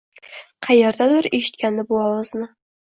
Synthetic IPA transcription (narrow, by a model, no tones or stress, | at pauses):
qʰɑjeɾd̪ad̪ʊɾeʃɪ̥t̪̚kʲanːɪbʊɑlɨznɪ